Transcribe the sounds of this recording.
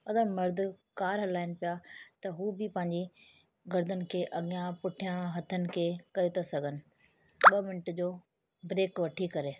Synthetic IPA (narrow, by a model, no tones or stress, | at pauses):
ɐɡəɾmɐɾd̪ʱʊ̆kaːɾɦɐlaːɪnɪpɪjat̪ɐɦuːbɪpɐ̃ɦɪ̃ɲd͡ʑi | ɡɐɾd̪ənɪ̆kʰeːʔɐɠɪjãpʊʈʰijãɦɐt̪ʰənɪ̆kʰeːkɐɾet̪asɐɡʱənɪ̆ | ɓɐmɪnɪʈd͡ʑoː | bɾeːkʋɐʈʰikɐɾeː